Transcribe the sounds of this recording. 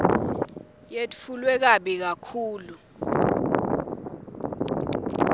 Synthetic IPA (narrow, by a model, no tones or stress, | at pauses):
jetfulwɛk̬aɓik̬akʰuːlu